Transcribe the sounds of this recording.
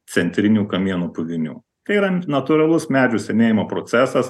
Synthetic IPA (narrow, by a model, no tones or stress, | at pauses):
sʲɛnʲt̪ʲɾʲɪnʲuːkɐmʲiɛnuːpʊʋʲɪnʲṵː | t̪ɐɪiɾɐnɐt̪ʊɾɐlˠʊsmʲæːd͡ʒʲuːsʲɛmʲeːjɪmoːpɾoːsʲæːsɐs